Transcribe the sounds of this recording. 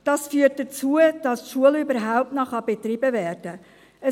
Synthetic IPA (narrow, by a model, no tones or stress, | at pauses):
d̥ɑsfyːərt̚d̥ət͡suəd̥ɑstʃuəlʏbəɾɦaʊp̚tnɔχɑb̥et̪ɾibəvɛːɾd̥ə | ə